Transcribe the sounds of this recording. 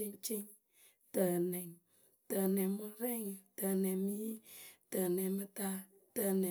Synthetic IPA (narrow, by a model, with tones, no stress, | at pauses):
i˦ŋt͡ʃi˦ŋ | tə˨nɛ˨ŋ | tə˨nɛ˨mu˦ɾɛ˦ŋ˨tə˨nɛ˨mi˦tə˨nɛ˨mɨ˦ta˦ | tə˨nɛ˨